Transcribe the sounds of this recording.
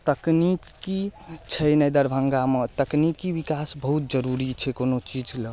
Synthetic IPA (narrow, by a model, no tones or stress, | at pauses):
t̪əknikit͡ʃʰɛnəjd̪əɾbʱəŋɡamet̪əknikibikasbəɦut̪̚d͡ʒəɾuɾit͡ʃʰɛkonot͡ʃid͡ʒlə